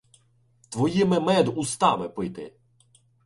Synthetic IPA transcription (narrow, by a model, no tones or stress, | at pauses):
t̪ʋɔjimɪmɛd̪ust̪ɑmɪpɪjt̪ɪ̰